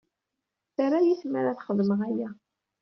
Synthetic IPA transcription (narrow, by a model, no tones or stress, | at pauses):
θaɾajiθməɾaθχəðˤməʁæjæ